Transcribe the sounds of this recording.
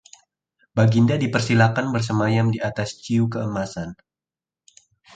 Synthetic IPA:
baɡindadipərsilakanbərs̬əmajamdiat̪ast͡ʃiukəəmasan

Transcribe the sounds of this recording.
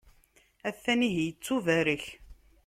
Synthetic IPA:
æθːæniɦjət͡sːuvæɾəç

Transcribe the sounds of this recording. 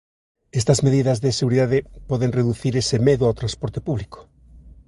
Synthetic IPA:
est̪ɐzmeðiðɐzðeseɣuɾiðaðepɔðeŋreðuθiɾesemeðuawt̪ɾãnspɔɾt̪e̥puβliko̥

